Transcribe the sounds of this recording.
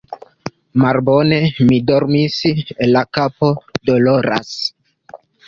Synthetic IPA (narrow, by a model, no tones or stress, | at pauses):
malbo̞ne̞mido̞ɾmisellakapo̞do̞lo̞ɾa̰s